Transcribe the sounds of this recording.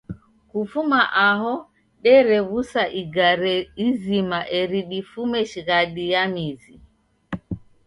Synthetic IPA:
kufumaʔahɔ | ɗɛɾɛwusaʔiɡaɾɛizimaʔɛɾiɗifumɛʃɡaɗijamizi

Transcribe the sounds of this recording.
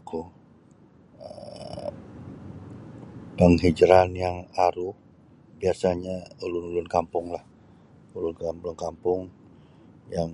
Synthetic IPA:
kʰu | ə̰ | daŋɦid͡ʒɾanjaŋaɾʊh | biasaɲaulʊnulʊnkampʊŋlah | ulʊnkalʊnkampʊŋ | jaŋ

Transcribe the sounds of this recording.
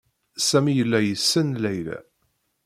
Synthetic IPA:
sæmijəlːæjəsːənlæjlæ̰

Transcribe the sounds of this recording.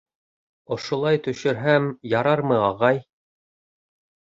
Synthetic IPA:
ŏʃŏlˠɑjt̪ɵ̆ʃɘ̆ɾɦæmjɑɾɑɾmɤɑʁɑj

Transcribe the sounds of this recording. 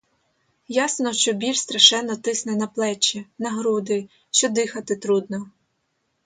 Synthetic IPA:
jasnɔʃt͡ʃɔbʲilʃst̪ɾɐʃɛnːɔt̪ɪsnɛnɐplˠɛt͡ʃːinɐɦɾud̪ɪ | ʃt͡ʃɔd̪ɪxɐt̪ɪt̪ɾud̪nɔ

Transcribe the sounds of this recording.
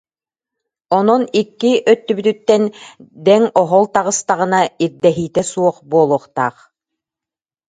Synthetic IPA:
ɔnɔnikːiʔœt̪ːybyt̪yt̪ːɛnd̪ɛŋɔɦɔlˠt̪aʁɯ̆st̪aʁɯ̆naiɾd̪ɛɦiːt̪ɛsuɔχbuɔlˠuɔχt̪a̰ːχ

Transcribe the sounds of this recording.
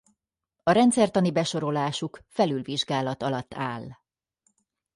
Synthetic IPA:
ɒɾɛnt̪sɛrt̪ɒnibɛʃo̞ɾo̞laːʃukfɛlylviʒɡaːlɒt̪ɒlɒt̪ːaːl

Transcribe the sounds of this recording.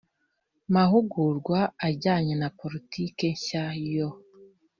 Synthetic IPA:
maɦuɡuɾɡwaːɟaːɲenapoɾitikeɲʃajo

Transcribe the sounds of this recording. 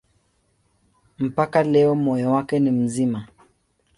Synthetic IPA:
m̩pakalɛɔmɔjɔwakɛnim̩zima

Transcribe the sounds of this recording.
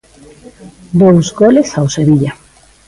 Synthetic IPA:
d̪owsɡolesawseβiʎa

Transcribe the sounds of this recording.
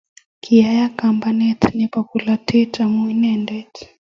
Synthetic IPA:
kʰiajakambanɛtnipakulatʰitamuinɛndɛt

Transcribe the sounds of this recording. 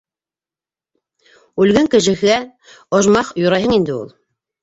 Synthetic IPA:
ʉlɡɘŋkɘ̆ʃɘ̆ɘ̆æ | ŏʒmɑqjŏɾɑjɦɤɴind̪ɘṵlˠ

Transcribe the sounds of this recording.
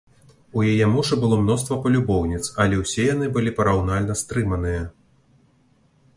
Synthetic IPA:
ujajɛmɔʂɨbɨlˠɔmn̪ɔst̪vɐpɐlʲubɔwnʲit̪sɐlʲɛwsʲɛjan̪ɨbɨlʲipɐɾawnalʲnɐst̪ɾɨmɐnɨjɐ

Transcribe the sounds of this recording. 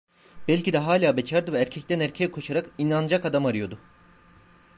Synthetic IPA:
b̥ɛlʲcid̪ɛɦaːlʲaːbet͡ʃʰaɾd̪ɯvɛːɾcʰɛc̚t̪ænæɾcʰejɛkʰo̞ʃaɾakinand͡ʒakad̪amaɾɯjo̞d̪ʊ

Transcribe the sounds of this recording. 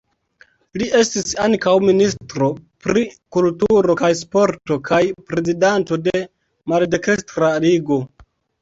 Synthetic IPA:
liʔe̞stisaŋkawministɾo̞pɾikultuɾo̞kajs̬po̞ɾto̞kʰajpɾe̞zidanto̞de | malde̞kɾestɾaliɡo̞

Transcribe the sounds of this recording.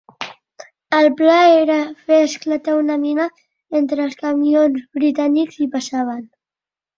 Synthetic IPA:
əlˠplaeɾəfeəsklət̪aunəminə | ent̪ɾəːlˠskəmionzβɾit̪anikzipəsaβ̞ən

